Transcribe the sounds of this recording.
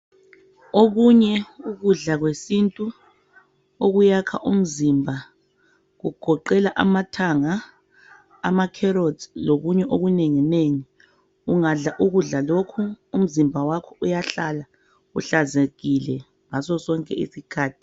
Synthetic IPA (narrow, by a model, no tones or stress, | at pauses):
oɣuɲɛuɣuɮaɣwesintʼu | oɣujakʰa̰ʔum̩zimbʱa | ɣuɡ̥ʱɔǃɛlaʔa̰matʰaŋa | amakʰɛɾodloɣuɲɛʔoɣuneŋineŋi | uŋaɮaʔuɣuɮalokʰuum̩zimbʱawakʰɔujaɬala | ṵɬazeɣilɛ | ŋasɔsɔŋkʼɛ̰ḭsikʰaːtʰi̥